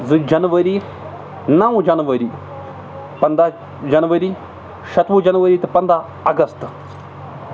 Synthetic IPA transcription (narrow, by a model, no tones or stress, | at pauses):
zɨd͡ʒɐnʋɐɾi | nɐʋd͡ʒɐnʋɐɾi | pɐnd̪a | d͡ʒɐnʋɐɾi | ʃɐt̪ʋud͡ʒɐnʋɐɾit̪ɨpɐnd̪a | ɐɡɐst̪